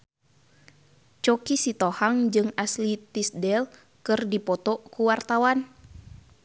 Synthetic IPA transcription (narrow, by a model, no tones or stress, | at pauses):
t͡ʃɔkisit̪ɔhaŋd͡ʒɨŋaslit̪isdɛl | kɨrdipɔt̪ɔkuwart̪awan